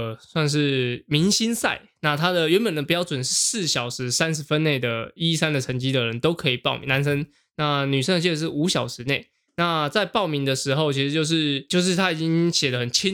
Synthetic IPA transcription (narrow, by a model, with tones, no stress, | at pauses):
swa˥˧nʂ̬ɻ̩˥˩mi˧˦˥ŋɕi˥nsa̰˥˩ɪna˥˩t̪ʰa˥d̪ə˨ɥɛ˧˦npə˨˩nd̪ə˩pu˧˥jɑ˥˩ʊt͡swə˨˩nʂɻ̩˥˧sɹ̩˥˩ɕjɑ˨˩ʊʂɻ̩˧˥sa˦˥nʂ̩˧˦fə˦nne˥˩ɪd̪ə˩i˦sa˥˦nd̪ə˨ʈ͡ʂʰə˧˥ŋt͡ɕi˥d̪ə˨ɻə˧˦nt̪o˥ʊkʰɤ˧˥i˨˩pɑ˥˩ʊmḭ˨˩na˧˦nsə˥ŋ | na˥˩ny˨˩ə˥ŋə˧t͡ɕ̬ʰi˥˧˩ə˧ʂɻ̩˥˩u˧˥ɕjɑ˨˩ʊʂɻ̩˧˥ne˥˩ɪ | na˥˧t͡sa˥˧ɪpɑ˥˩ʊmi˧˥ŋd̪ə˨ʂɻ̩˧˥xo˥˧ʊt͡ɕʰi˧˥ʂɻ̩˧t͡ɕjo˥˧ʊʂ̬ɻ̩˥˧t͡ɕjo˥˧ʊʂ̬ɻ̩˥˩t̪ʰa˦˥i˨˩t͡ɕi˥ŋɕjɛ˨˩lə˦xə˨˩nt͡ɕʰi˥n